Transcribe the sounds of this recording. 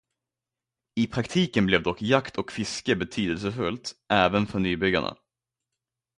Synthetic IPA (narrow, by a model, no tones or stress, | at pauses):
ɪpʰɾakt̪ʰiːkənblɛvd̪ɔkːjakt̪ʰɔkfɪskəbɛt̪ʰyːd̪əls̬əfɵlt̪ʔæːvənfœɳyːbʏɡːa̰ɳa̰